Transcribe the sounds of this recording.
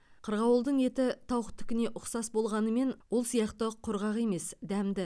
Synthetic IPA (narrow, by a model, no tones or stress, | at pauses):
qʰəɾʁɑwəlˠd̪əɴe̞t̪ɪt̪ʰɑwχət̪ʰːʏ̥kʲɪne̞ʔʊqsɑsbo̞lˠʁɑnəme̞nwolˠsijɑqt̪əqʰʊɾʁɑʁe̞me̞sd̪æmd̪ɪ